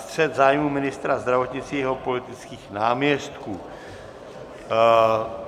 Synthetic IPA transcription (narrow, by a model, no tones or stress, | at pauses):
t̪r̝̥ɛt̪zaːjmumɪnɪst̪ɾazd̪ɾavo̞t̪ɲɪt͡siːjɛɦo̞po̞lɪt̪ɪt͡skiːxnaːmɲɛst̪kuː